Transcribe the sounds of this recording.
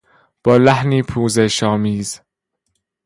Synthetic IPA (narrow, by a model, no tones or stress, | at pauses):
b̥ɔlahniːpʰuːzɛʃɑːmiːz̥